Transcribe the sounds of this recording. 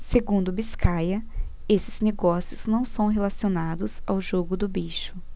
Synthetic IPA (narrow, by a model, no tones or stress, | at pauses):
seɡũnd̪ʊbiskajɐ | esɪz̥neɡɔsiʊz̥nɐ̃w̃sɐ̃w̃ɦelasionad̪ʊza̰wʒoɡʊd̪ʊbiʃʊ